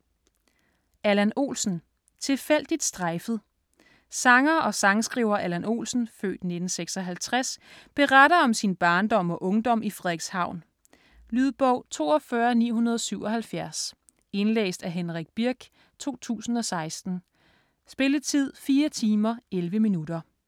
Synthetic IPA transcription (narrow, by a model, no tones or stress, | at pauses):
ʔælæno̝̰ːlsn̩ | t͡sʰe̝fel̰d̥id̥sd̥ʁɑɪfð̞̩ˠ | sɑ̈ŋɐʔɒ̽sɑ̈ŋsɡ̥ʁiːʊɐʔælæno̝̰ːlsn̩fø̰ːd̥ne̝d̥n̩seɡ̥sɒ̽ɦælt͡sʰʁasb̥e̝ʁaɾɐɒ̽msinb̥ɑ̈ːnd̥ɒ̽mɒ̽ʔɔ̽ŋd̥ɒ̽m̰ʔifʁɛðˠɡ̥shɑ̈ʊ̰n | lyð̞ˠb̥ɒʊ̰t͡sʰo̝̰ːɒ̽fɶɐnḭːɦunɐð̞ˠsyʊɒ̽ɦælfjæɐs | e̝nlḛːsd̥æɦenʁaɡ̥̚b̥iɐɡ̥ | t͡sʰo̝̰ːt͡sʰṵːsn̩ɒ̽sɑ̈ɪsd̥n̩ | sb̥e̝lət͡sʰið̞̰ˠfiːɐt͡sʰiːmɐelʋəminud̥ɐ